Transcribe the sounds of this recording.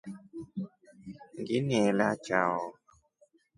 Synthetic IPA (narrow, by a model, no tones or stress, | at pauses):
ŋɡiniɛlat͡ʃaɔ